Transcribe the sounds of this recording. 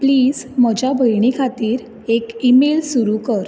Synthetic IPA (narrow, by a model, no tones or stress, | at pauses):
pliːd͡zməd͡ʑabʱəjɳ̃ikʰat̪iːɾ | ekimelsuɾukəɾ